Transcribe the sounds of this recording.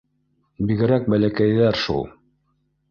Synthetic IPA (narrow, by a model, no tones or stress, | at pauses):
biɡɘ̆ɾæk̚bælækæjðæɾʃṵlˠ